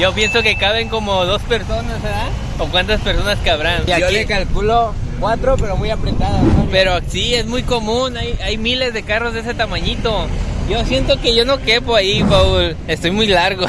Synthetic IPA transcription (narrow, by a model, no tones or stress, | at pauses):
ʝo̞pje̞nso̞ke̞kaβe̞ŋko̞mo̞ðo̞spe̞ɾso̞nasa | okwant̪aspe̞ɾso̞naskaβɾanaolekalkulokwat̪ɾope̞ɾomujapɾet̪aðape̞ɾosiezmujko̞mũnajajmile̞zðe̞karo̞zðese̞t̪amaɲit̪o̞ʝo̞sje̞nt̪o̞ke̞ʝo̞no̞ke̞poaifaul | e̞st̪o̞jmujlaɾɣo